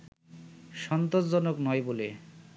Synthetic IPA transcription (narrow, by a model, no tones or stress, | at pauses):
ʃɔnt̪od͡ʑd͡ʑɔnoknɔjbole